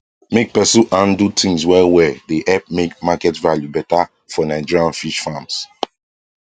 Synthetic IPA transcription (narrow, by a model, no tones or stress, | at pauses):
mek̚pɛsuʔãndutʰĩŋswɛwɛdeʔɛp̚mekmakɛtvaljubɛta | fɔnaɪd͡ʒiɹiãnfiʃfãms